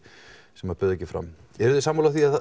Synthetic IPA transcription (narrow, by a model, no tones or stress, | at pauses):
sɛmaðpœðɛcːɪfɾa̰mɛɾðɪsaːmoːlaθia